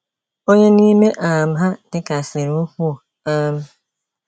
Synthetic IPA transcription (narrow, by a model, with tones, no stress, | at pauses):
o˦ɲe˦ni˦me˦ʔaː˨m̩˦ɦa˦d̥ɪ˦ka˨sɪ˨ɾʊ˦ku˦o˨ | a˦m̩˦